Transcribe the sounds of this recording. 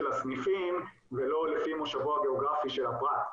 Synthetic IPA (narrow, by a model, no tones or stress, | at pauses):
lasnifim | velo̞lefimoʃavoaɡeoɡʁafiʃe̞lhapʁat̪